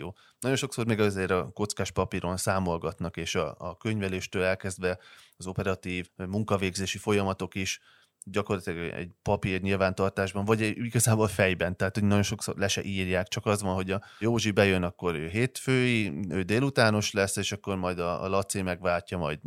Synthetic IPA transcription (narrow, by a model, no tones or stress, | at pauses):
joː | nɒɟo̞nʃo̞ksormeːɡɒzeːɾɒko̞t̪skaːʃpɒpiːɾonsaːmo̞lɡɒt̪nɒkeːʃɒ̰ːkø̞ɲvɛleːʃt̪øːlɛlkɛzd̪vɛɒzo̞pɛɾɒt̪iːvmuŋkɒveːɡzeːʃifo̞jɒmɒt̪o̞kiʃ | ɟɒko̞rlɒt̪ilɛɡɛ̰ɟpɒpirɲilvaːnt̪ɒrt̪aːʒbɒɱvɒɟiɡɒzaːbolfɛjbɛnt̪ɛɦaːt̪honɒɟo̞nʃo̞kso̰rlɛʃɛ̰ʔiːrjaːkt͡ʃɒkɒzʋɒnɦo̞ɟɒ | joːʒibɛjønɒkːo̞ɾøːɦeːt̪føːjiøːd̪eːlut̪aːno̞ʃlɛsːeːʃɒkːo̞rmɒjd̪ɒ̰lɒt̪semɛɡʋaːlcːɒmɒ̰jd̪